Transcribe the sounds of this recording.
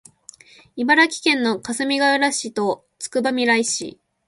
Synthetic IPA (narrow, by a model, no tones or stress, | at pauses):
ibaɾakʲi̥kẽ̞nːo̞kasɨmʲiɡaɯɾaɕit̪o̞ | t͡sɨ̥kɯ̟bamʲiɾaiɕḭ